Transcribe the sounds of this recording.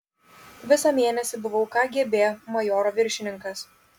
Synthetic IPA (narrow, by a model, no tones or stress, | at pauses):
ʋʲɪsɑmʲeːnʲɛsʲɪbʊʋɐʊkɑːɡʲiɛbʲeːjmɐjoːɾoːʋʲɪɾʲʃʲɪnʲɪŋkɐs